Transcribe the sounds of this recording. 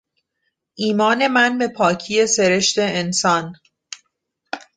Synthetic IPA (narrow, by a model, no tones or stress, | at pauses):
ʔiːmɒːne̞mænbe̞pʰɒːcʰije̞se̞ɾe̞ʃt̪e̞ːnsɒn